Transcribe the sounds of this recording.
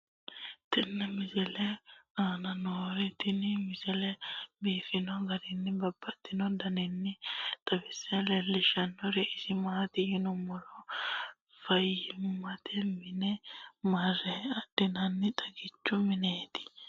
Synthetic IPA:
t̪ɛnːɐmɪzɛlɛaːnɐnoːɾɛt̪ɪnmɪzɛlɛbiːfɪnɔɡɐɾɪnːɪbɐbːɐt̪ːɪnɔd̪ɐnɪnːɪt̪ʼɐbɛsːɛlɛlːɪʃɐnːɔɾɛʔɪsɪmaːt̪ɪjɪnʊmɔlɔ | fɐjːɪmʊmɐt̪ʰɛmɪnɛmɐrɛɐd̪̥ːɪnɐnːɪt̪ʼɐɡɪt͡ʃːʊmɪneːt̪ɪ̥

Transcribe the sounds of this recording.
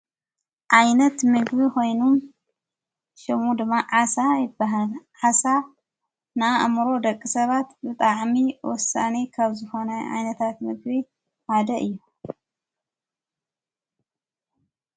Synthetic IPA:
ʔajnɐt̪mɨɡbiko̞jnum | ʃɐmud̪ɨmːaʕasajɪbːaɦalʕasa | naaʔa̰mɾo̞d̪ɐkʼːisɐβat̪bɨt̪ʼaʕmiwɔsane̞kʰaβzɨxo̞nɐʔa̰jnɐt̪ʰat̪mɨɡbi | had̪ɐʔɨjːu

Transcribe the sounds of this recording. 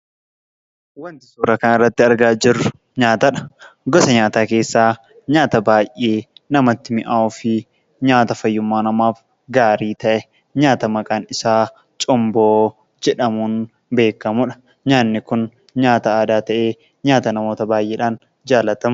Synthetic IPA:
wɐnt̪ɪ̥suːɾɐkɐnɪrːɐt̪ːɪɐɾɡaːd͡ʒɪrːʊ | ɲaːt̪ɐᶑɐ̥ɡɔsɐɲaːt̪aːke̞ːsːaː | ɲaːt̪ɐbaːjʔːeːnɐmɐt̪ːɪmɪʔaːɔfɪ | ɲaːt̪ɐfɐjːʊmːaːnɐmaːf | ɡaːɾiːt̪ɐʔɛ | ɲaːt̪ɐmɐkʼaːnɪsaː | t͡ʃʼʊmboː | d͡ʒɛᶑɐmuːn | be̞ːkːɐmʊᶑɐ̥ | ɲaːnːɪkʊn | ɲaːt̪ɐaːd̪aːt̪ɐʔeː | ɲaːt̪ɐnɐmo̞ːt̪ɐbaːjʔeːᶑaːn | d͡ʒaːlːɐt̪ɐm

